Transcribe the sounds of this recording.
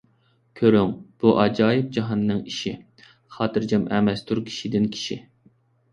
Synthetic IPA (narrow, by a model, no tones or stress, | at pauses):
kʲʰøɾyŋb̥uʔɑd͡ʒɑːjɪp̚d͡ʒɑɦɑnːɨŋiʃi | χɑːt̪ɨɾd͡ʒɛmʔɛmɛst̪ʰuɾkʲʰi̥ʃid̪ɪnkʲʰi̥ʃi